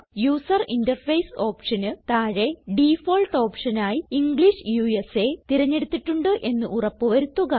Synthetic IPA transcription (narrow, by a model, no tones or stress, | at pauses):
juːsɐrindɐrfejso̞ːpʂɐnɨt̪aːɻe̞ɖifoːlʈo̞ːpʂɐnaːjiiŋɡɭiʂɨjuːese̞t̪iɾɐɲːe̞ɽut̪ːiʈːuɳɖɨʔe̞nːɨʔurɐpːɨʋɐɾut̪ːuɣɐ